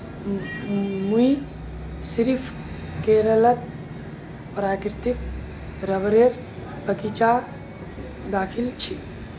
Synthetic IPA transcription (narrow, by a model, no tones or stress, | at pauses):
mui | siɾipʰ | keɾələt̪̚ | pɾaːkɾt̪ik | ɾəbɾeɾ | bəkit͡ʃa | d̪aːkʰilt͡ʃʰi